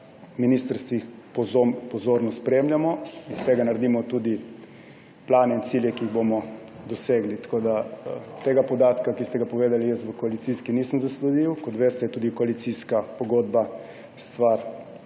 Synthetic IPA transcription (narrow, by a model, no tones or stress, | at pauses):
miniːst̪əɾst̪ʋixppɔzoːɾnɔspɾemljamɔist̪eːɡanaɾd̪iːmɔt̪uːd̪i | plaːnɛinsiljɛkiːɣbomɔ | d̪ɔseːɡlit̪koːd̪at̪eːɡapɔd̪aːt̪kakist̪ɛɡapɔʋeːd̪alijəst̪ʋəkɔalit̪siskiniːsəmzaslud̪iwkɔt̪ʋeːst̪ɛjɛt̪uːd̪ikɔalit̪siskapɔɡoːd̪ba | st̪ʋaɾ